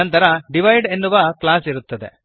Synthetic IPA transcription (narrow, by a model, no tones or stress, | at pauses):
ɐnt̪ɐɾɐɖiʋɐjɖe̞nːuʋɐklaːsiɾut̪ːɐd̪e̞̰